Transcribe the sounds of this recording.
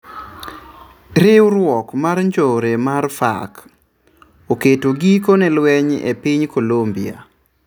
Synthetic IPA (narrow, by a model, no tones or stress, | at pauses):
ɾɪwɾwɔkmarɲd͡ʒoɾemarfa̰k | oketoɡikonelwɛɲḛpɪɲkolombia̰